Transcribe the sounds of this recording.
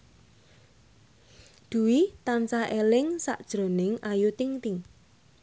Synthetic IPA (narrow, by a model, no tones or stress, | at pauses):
d̪̥ṳwit̪ant͡ʃaʔelɪŋsa̰ʔd̥ʒ̥ɾo̤nɪŋajut̪ɪŋt̪ɪŋ